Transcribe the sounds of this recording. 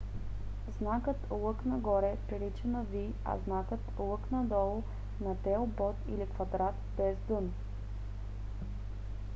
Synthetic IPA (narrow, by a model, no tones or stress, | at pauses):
znakɤt̪lˠɤknɐɡɔɾɛpɾilit͡ʃɛnɐvi | ɐ̰znakət̪lˠɤknɐd̪ɔlˠʊ | nɐt̪ɛlˠbɔt̪ḭlikvɐd̪ɾat̪bɛzd̪ɤn